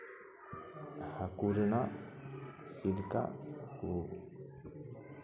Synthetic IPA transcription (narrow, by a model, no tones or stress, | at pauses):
hakuɾəna | silka̰ʔku